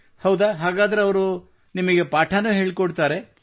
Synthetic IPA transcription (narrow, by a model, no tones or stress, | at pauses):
hɐwd̪aɦaːɡaːd̪ɐɾe̞ɐʋɐɾu | nimɐɡe̞paːʈʰanuɦe̞ːɭikoɽt̪aːɾe̞